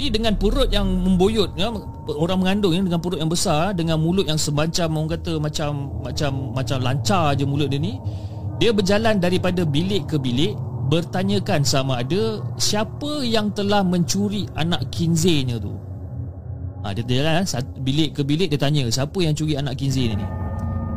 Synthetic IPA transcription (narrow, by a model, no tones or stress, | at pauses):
didəŋanpəɾʊt̪̚jaŋməmbojʊt̪̚a | oɾaŋməŋandʊŋɲədəŋanpəɾʊt̪jaŋbəsardəŋanmulʊt̪̚jaŋsəmbaɲt͡ʃamːaũŋkat̪əmat͡ʃamːat͡ʃamːat͡ʃamlaɲt͡ʃard͡ʒəmulʊt̪̚dini | diəbərd͡ʒalandaɾipadabilɪʔkəbilɪʔbərt̪aɲə̃kansamaːdəsiapəjaŋt̪əlahmə̃ɲt͡ʃuɾiʔanaʔkinzɪɲət̪ṵ | a̰diət̪d͡ʒalansabilɪʔkəbilɪʔ̚diət̪aɲəsiapəjaŋmt͡ʃuɾianaʔkinzɪɲə̰nḭ